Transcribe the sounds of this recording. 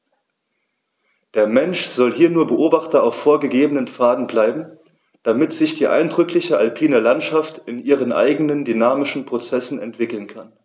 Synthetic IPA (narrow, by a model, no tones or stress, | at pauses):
d̥eːɐmɛnʃz̥ɔlhiːɐnuːɐbəʔoːbaχtɐaʊfoːɐɡəɡeːbənənfaːdn̩blaɪbm̩ | d̥amɪtz̥ɪçd̥iːʔa̰ɪndʁʏklɪçəʔalpʰiːnɐlantʃaftɪnʔiːʁ̞ənʔa̰ɪɡənəndynaːmɪʃn̩pʁ̥ot͡sɛsn̩ɛ̰ntv̥ɪkl̩nkʰan